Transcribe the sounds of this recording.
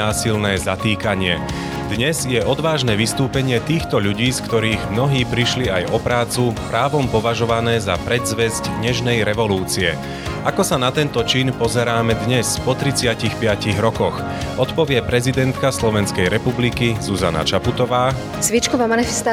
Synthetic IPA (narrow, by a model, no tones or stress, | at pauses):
aːsilnɛːzat̪iːkaɲɪɛ | d̪ɲɛzjɛʔɔd̪ʋaːʒnɛːʋist̪uːpɛɲɪɛt̪iːxt̪ɔʎuɟiːskt̪ɔɾiːɣmnɔɦiːpɾiʃliajɔpɾaːt͡supɾaːʋɔmpɔʋaʒɔʋanɛːzapɾɛd̪zʋɛzɟd̪ɲɛʒnɛjɾɛʋɔluːt͡siɛ̰ | akɔsanat̪ɛnt̪ɔt͡ʃinpɔzɛɾaːmɛd̪ɲɛspɔt̪ɾit͡sɪacixpɪaciɣɾɔkɔx | ʔɔt̪pɔʋɪɛpɾɛzid̪ɛnt̪kaslɔʋɛnskɛjɾɛpublikizuza̰na̰t͡ʃaput̪ɔʋaː | zʋit͡ʃkɔʋamanifɛst̪a